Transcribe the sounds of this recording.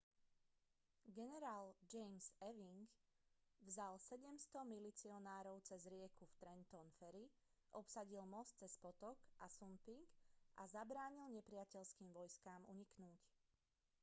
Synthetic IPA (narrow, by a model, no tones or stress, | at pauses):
ɡɛnɛɾaːld͡ʒɛjmzɛʋiŋɡ | vzalsɛɟɛmst̪ɔmilit͡siɔnaːɾɔʊt͡sɛzɾɪɛkuft̪ɾɛnt̪ɔnfɛɾi | ʔɔpsaɟilmɔst͡sɛspɔt̪ɔkʔasumpiŋɡʔazabɾaːɲilɲɛpɾɪacɛʎskiːmʋɔjskaːmṵɲiknuːc